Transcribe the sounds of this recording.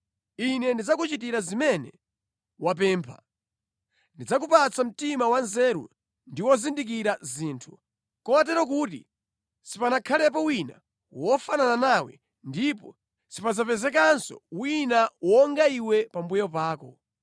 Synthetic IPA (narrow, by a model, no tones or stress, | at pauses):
inɛndid͡zakut͡ʃitiɾazimɛnɛ | wap̬ɛːmpʰa̰ | ndid͡zakupat͡sam̩timawanzɛɾṵ | ndiwɔzindik̬iɾaziːntʰu | kɔwat̬ɛɾɔk̬uːtḭ | sipanakʰalɛp̬ɔwina̰ | wɔfanananawɛ̰ | ndipɔ | sipazapɛzɛk̬ansɔ̰winawɔŋɡaiwɛpambujɔpaːkɔ